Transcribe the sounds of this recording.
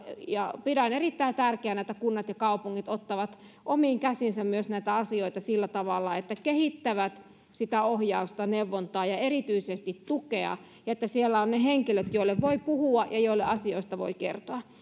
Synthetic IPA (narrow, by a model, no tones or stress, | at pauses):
jɑpidænerit̪ːæit̪ærkeænæˑit̪ːækunːɑt̪jɑkɑupuŋːit̪ot̪ːɑʋɑt̪ | ʔomiːŋkæsinsæmmyøsnæit̪æɑsioit̪ɑsilːæt̪ɑʋɑlːɑet̪ːækehit̪ːæʋæt̪ | sit̪æohjɑust̪ɑneuʋːont̪ɑːjɑerit̪yisest̪it̪t̪ukeɑ̰ | jɑet̪ːæsielːæonneheŋkiløt̪joilːeʋʋoipuhuɑjɑjoilːeʔɑsioist̪ɑʋo̰ikḛrt̪oɑ